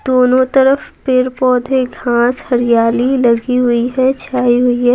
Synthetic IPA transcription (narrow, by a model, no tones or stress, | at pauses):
d̪̥oːnõt̪ɐɾəfpɪɾpɔːd̪ʱeɡʱãːshɐɾɪjaːlilɐɡiɦʊiɦɛt͡ʃʰaːiɦʊiɦɛ